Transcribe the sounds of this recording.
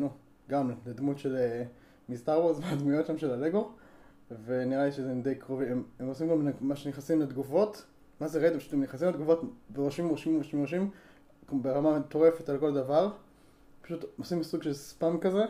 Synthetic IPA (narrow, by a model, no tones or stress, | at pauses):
nu | ɡamleled̪mutʃele | mist̪aʁwozmead̪mujo̞tʃamʃelaleɡo̞ | veniʁaliʃezemd̪ejkʁoviememosimɡamnamaʃeniχasimlad̪ɡuvo̞t | mazeʁed̪epaʃu̥t̪emneχasimled̪ɡuvo̞tbeʁoʃimoʃimoʃimoʃ̬im | beʁamat̪o̞ʁe̞fetalko̞ld̪avaʁ | pḁʃut̪osimsuɡʃelspamkaze